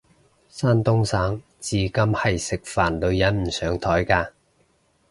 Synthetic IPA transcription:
saː˥nt̪ʊ˥ŋsaː˨˥ŋ | t͡siː˨kɐ˧mhɐ˨jsɪ˨k̚faː˨˩nlɵ˨˧ɥjɐ˨˥nm̩˨˩sœː˨˥ŋt̪ʰɔː˨˥jkaː˧

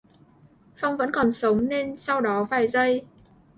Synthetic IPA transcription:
fa˧wŋ͡mvə̰˧˥nkɔ˨˩nsə˨˦wŋ͡mne˧nsa˧wɗɔ˨˦faː˧˩jzə˧j

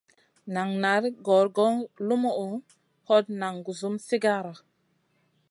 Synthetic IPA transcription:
na˨ŋna˨˦ɾɡɔ˨˦ɾɡɔ˦ŋlu˦mu˦u˨ | ho˦t̚na˨ŋɡu˨zu˦msi˦ɡa˦ɾa˨

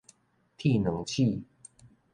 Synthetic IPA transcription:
t̪ʰi˥˨nɤ˨˦ŋt͡ɕʰi˥˨

